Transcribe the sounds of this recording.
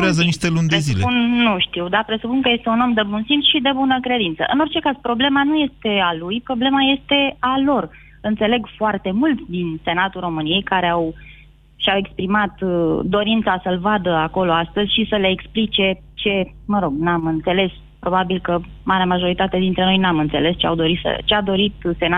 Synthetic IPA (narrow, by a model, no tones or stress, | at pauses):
ɾeazəniʃt̪elund̪eszileunːuʃt̪iwd̪apɾe̞supunkəje̞st̪euno̞md̪ebunsimsʃid̪ebunəkɾe̞d̪int̪sə̰ʔɨ̰no̞rt͡ʃe̞kazpɾo̞ble̞manuje̞st̪e̞alujpɾo̞ble̞maje̞st̪e̞alo̞r | ɨnt̪se̞le̞ɡfoart̪e̞mult̪sʲd̪inse̞nat̪uro̞mɨnije̞jkaɾeaw | ʃiawe̞kspɾimat̪d̪o̞ɾint̪sasəlvad̪əako̞lo̞ast̪əzʲʃisəleːksplit͡ʃe̞ | t͡ʃe̞məɾo̞ɡnamɨnt̪se̞le̞s | pɾo̞babilkə | maɾeamaʒo̞ɾit̪at̪ed̪int̪ɾe̞no̞jnamɨnt̪se̞le̞st͡ʃea̰wd̪o̞ɾit̪sə̰t͡ʃead̪o̞ɾit̪se̞na